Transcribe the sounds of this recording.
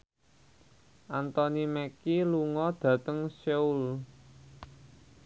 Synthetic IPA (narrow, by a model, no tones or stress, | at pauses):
ʔant̪ɔnimɛkiluŋɔd̪̥ä̤t̪əŋsɛul